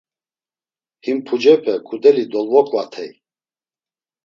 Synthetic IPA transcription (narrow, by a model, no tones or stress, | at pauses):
himpʰud͡ʒɛpʰɛkʰʼud̪ɛlid̪ɔlvɔkʼvat̪ʰɛj